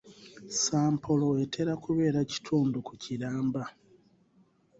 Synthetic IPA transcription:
saːmpʰo̞lo̞e̞tʰe̞ɾakuβe̞ːɾaci̥tʰuːndukuciɾaːmba

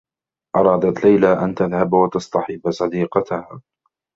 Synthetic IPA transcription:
ʔɑɾˤɑːd̪at̪lajlaːʔant̪aðhabwat̪ɑst̪ɑħɪbsˤɑd̪iːqɑt̪ahaː

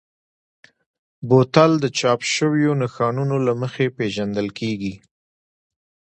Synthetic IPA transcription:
bot̪ald̪ət͡ʃɑpʃəwjonaxɑnunolaməxepeʒand̪əlkʰeɡi

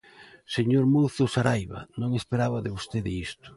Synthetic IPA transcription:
seɲoɾmowθʊsaɾajβa̰nõŋespeɾaβaðɪβost̪eðɪist̪ʊ̥

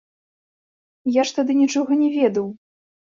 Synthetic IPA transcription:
jaʂt̪ad̪ɨnʲit͡ʂɔɣɐnʲɛvʲɛd̪ɐw

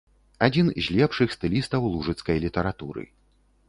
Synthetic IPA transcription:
ad͡zʲinzʲlʲɛpʂɨxst̪ɨlʲist̪ɐwlˠuʐɨt̪skɐjlʲit̪ɐɾat̪uɾɨ̰

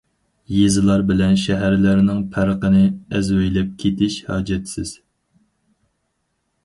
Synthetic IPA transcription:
jezɨlˠɑɾbɪlɛnʃɛɦæɾlæɾnɪŋpʰæɾqənɨɛzwɛjlɛp̚kʲʰet̪ʰɪʃhɑːd͡ʒɛt̪sɪz̥

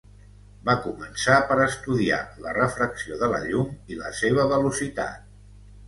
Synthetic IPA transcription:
bakumənsapəɾəst̪uðia̰lərəfɾəksioðələ̰ʎumilə̰seβ̞əβəlusit̪a̰t̪̚

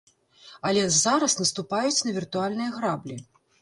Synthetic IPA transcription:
ɐlʲɛzaɾɐsnɐst̪upajut͡sʲnɐvʲirt̪ualʲnɨjɐɣɾablʲi

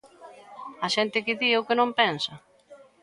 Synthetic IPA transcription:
ɐʃɛnt̪ɪkɪðiʊkɪnõmpɛnsɐ

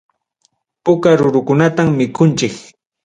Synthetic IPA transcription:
pʊkaɾʊɾʊkʊnat̪amːɪkʊnt͡ʃɪk

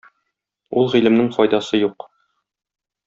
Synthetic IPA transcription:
ulˠʁilɘ̆mnɘŋfɒjd̪ɑsɤjuq

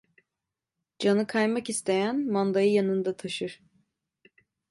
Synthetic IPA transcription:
d͡ʒanɯkʰajmakist̪ʰe̞jænmand̪ajɯjanɯnd̪at̪ʰaʃɯɾ̥

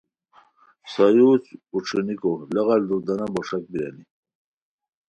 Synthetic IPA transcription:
sajut͡spuʈ͡ʂʰunikolaɣald̪uɾd̪anambɔʂak̚bija̰ni

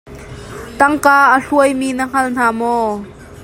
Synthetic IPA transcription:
t̪ɐŋkaːʔəɬuəjmiːnəŋ̥ɐln̥aːmɔː

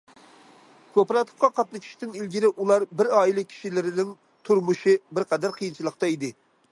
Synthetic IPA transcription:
kʰopɾɑt̪ʰə̥qɑqʰɑt̪̚nɨkʲʰi̥ʃt̪ɪnilɡʲiɾɪulˠɑɾbɪɾɑːilˠɪkʲʰi̥ʃilɪɾɪnɪŋ | t̪ʰuɾmuʃibɪɾqʰɑd̪æɾqʰəjint͡ʃʰilˠəq̚t̪ɑid̪ɪ

